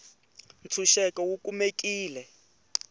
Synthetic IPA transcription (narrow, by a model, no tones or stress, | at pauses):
nt͡sʰuʃɛkɔwukumek̬iːlɛ